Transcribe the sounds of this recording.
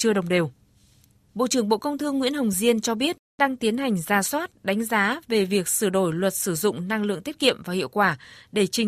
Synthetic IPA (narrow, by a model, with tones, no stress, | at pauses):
t͡ɕɨ˧əɗə˨˩wŋ͡mɗe˨˩w | ɓo̰˧˨t͡ɕɨ˧˩əŋɓo̰˧˨kə˧wŋ͡mt̪ʰɨ˧ŋːwḭ˧˥ənɦə˨˩wŋ͡mzi˧ənt͡ɕɔ˧ɓi˦˥ət̚ɗaː˧ŋt̪i˨˦ənɦa˨˩jŋ̟zaː˨˩swaː˦˥t̚ɗa˨˦jŋ̟zaː˨˦ve˨˩vi˨˩ək̚sɨ˧˩ɗo˧˩jlwə˨˩t̚sɨ˧˩zʊ̰˧˨ŋ͡mna˧ŋlɨ̰˧˨əŋt̪i˦˥ət̚kḭ˧˨əmvaː˨˩hḭ˧əwkwaː˧˩ɗe˧˩t͡ɕï˨˩